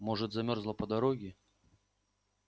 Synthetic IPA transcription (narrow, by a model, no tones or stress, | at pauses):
mɔʐɨt̪zamʲɔrzlˠɐpɐd̪aɾɔɡʲɪ